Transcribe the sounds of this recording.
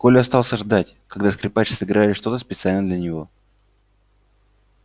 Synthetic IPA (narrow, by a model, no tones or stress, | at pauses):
kolʲɪɐst̪ɑlˠsʲəʐd̪atʲ | kɐɡd̪askɾʲɪpat͡ɕɪ̥sɨɡɾalʲɪʂt̪o̞t̪əspʲɪt̪sɨalʲnəd̪lʲənʲɪvo̞